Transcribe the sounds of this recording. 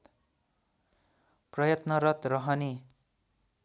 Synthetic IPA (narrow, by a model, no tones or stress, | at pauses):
prʌjʌt̪nʌɾʌt̪rʌɦʌne